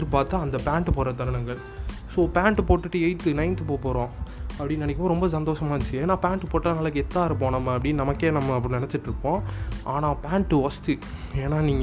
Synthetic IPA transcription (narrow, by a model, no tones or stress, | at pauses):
ɪɾpaːt̪ːãːɐnd̪ɐpaːɳʈɯpoːɾɐt̪ɐɾɐɳɐŋɡɐɭ | soːpaːɳʈɯpoːʈːɯʈːɯɛɪt̪ːɯnɐɪnt̪ːɯpoːpoːɾõːɐpːɽɪnːɐnɛkːmõɾɔmbɐs̬ɐnd̪oːʂɐmaːɪt͡ʃːɯeːnːaːpaːɳʈːɯpoːʈːɐnaːlɐkːɯɛt̪ːaːɪɾɯpːoːɳɐmːɐɐpːɐɽɪnnɐmɐkːeːnɐmːɐp̬ːɐɽnɛnɛt͡ʃːɪʈːɪɾɯpːõːʔaːnaːpaːɳʈːɯʋɐst̪ɯeːnːaːniːŋɡ